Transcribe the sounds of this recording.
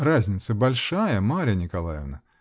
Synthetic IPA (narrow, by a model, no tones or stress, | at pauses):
razʲnʲɪt̪səbalʲʂajɐmaɾʲɐnʲɪkalˠa̰jɛ̰vnɐ